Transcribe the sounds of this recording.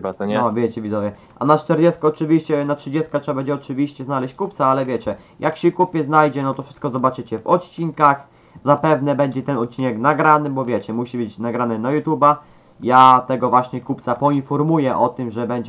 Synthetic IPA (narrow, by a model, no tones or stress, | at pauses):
baɔɛɔvʲjɛt͡ɕɛvʲizɔvʲjɛ | ʔa̰nat͡ʂt̪ɛɾd͡ʑɛst̪̚kɔːt͡ʂɘvʲiɕt͡ɕɛnatʂɘd͡ʑɛst̪katʂɛabɛɲd͡ʑɛɔt͡ʂɘvʲiɕt͡ɕɛznalɛɕt͡ɕkuptsaalɛvʲjɛt͡ɕɛ | jʔakɕɛkupʲjɛznajd͡ʑɛnɔt̪ɔfʂɘst̪kɔzɔbat͡ʂɘt͡ɕɛvɔt̪t͡ɕinkax | zapɛvnɛbɛɲd͡ʑɛt̪ɛnɔt̪̚t͡ɕːinɛknaɡɾanɘbɔvʲjɛt͡ɕɛmuɕibɘt͡ɕnaɡɾanɘnajut̪juba | jat̪ɛɡɔvwaɕɲɛkuptsapɔinfɔɾmujɛʔɔt̪ɘmʐɛbɛɲd͡ʑɛ